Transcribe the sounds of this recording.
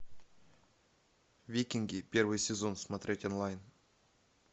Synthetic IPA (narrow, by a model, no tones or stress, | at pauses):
vʲikʲiŋɡʲipʲe̞rvɨjsʲɪzo̞nsmat̪ɾʲetʲonlˠajn